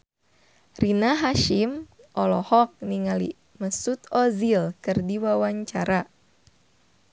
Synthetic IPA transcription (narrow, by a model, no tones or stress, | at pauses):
rinaɦaʃimʔɔlɔhɔk̚niŋalḭ | məsut̪ɔzilkɨrdiwawaɲt͡ʃaɾa